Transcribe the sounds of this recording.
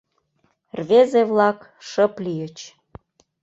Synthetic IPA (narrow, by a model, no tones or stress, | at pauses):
rβezeβlɑk | ʃəplijət͡ɕ